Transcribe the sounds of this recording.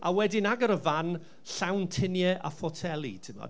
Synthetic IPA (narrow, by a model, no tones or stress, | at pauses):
awɛdɪnaɡəɾəvan | ɬawntʰɪnjɛʔafɔtʰɛlˠḭtʰɪmɔ̰